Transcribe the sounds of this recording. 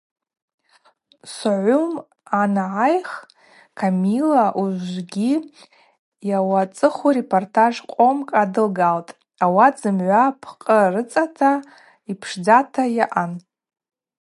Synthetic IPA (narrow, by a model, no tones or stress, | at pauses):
sʕʷʊm | anʕajχ | kʰamilaʔuzɡʲi | jawat͡sʼɨχure̞pʰortʰaʐqʷʼo̞mkʼadɨlɡaltʼ | awad͡zɨmʕʷapʰqʼərɨt͡sʼatʰa | ipʰʂd͡zatʰajaʔan